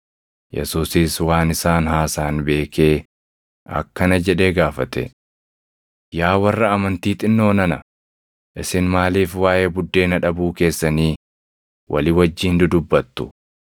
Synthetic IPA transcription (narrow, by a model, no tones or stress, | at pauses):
jɛ̰suːsiswaːnɪsaːnhaːsaːnbe̞ːkʰe̞ː | ɐ̰kːɐnɐd͡ʒɛᶑeːɡaːfɐt̪ɛ̰ | jaːwɐrːɐːmɐnt̪iːt̪ʼɪnːo̞ːnɐnɐ | ʔɪsɪnmaːliːfwaːjeːbʊd̪ːe̞ːnɐᶑɐbuːke̞ːsːɐniː | wʔɐ̰lɪwɐd͡ʒːiːnd̪ʊd̪ʊbːɐt̪ːʊ̥